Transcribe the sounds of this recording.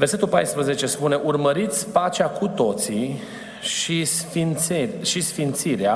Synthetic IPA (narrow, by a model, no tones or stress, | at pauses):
verse̞t̪ulpajspɾəze̞t͡ʃe̞spune̞ʔurməɾit̪sʲpat͡ʃeakut̪o̞t̪si | ʃisfineʃisfint̪siɾea